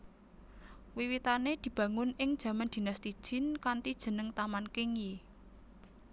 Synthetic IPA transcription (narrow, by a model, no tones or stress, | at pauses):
wiwit̪aned̪̥i̤b̥ä̤ŋʊnɪŋd̥ʒ̥ä̤mand̪̥i̤nast̪id̥ʒ̥ɪ̤nkant̪id̥ʒ̥ə̤nəŋt̪amankɪŋje